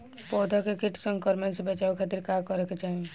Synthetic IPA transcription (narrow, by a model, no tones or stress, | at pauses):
pɔːd̪ʱakekɪʈʰsə̃ŋkɔɾmensebət͡ʃaːukʰat̪iɾkakɔɾeket͡ʃaːɦie